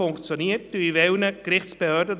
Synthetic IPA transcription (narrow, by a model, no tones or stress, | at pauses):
ʊŋkt͡sjoniːt̚d̥yivɛlnəkrɪχt͡spəhøːɐdə